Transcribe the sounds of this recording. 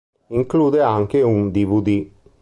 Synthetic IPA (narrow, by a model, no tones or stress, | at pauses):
iŋkluːd̪eaŋkeund̪ivud̪i